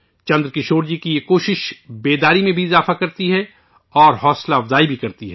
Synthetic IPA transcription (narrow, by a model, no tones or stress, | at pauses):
t͡ʃɐ̃nd̪ɾkɪʃoːɾd͡ʒikijekoːʃɪʃbeːd̪aːɾimẽbʱiɪzaːfakɐɾt̪iɦɛ | ɔːɾɦɔːslaɐfzaːibʱikɐɾt̪iɦɛː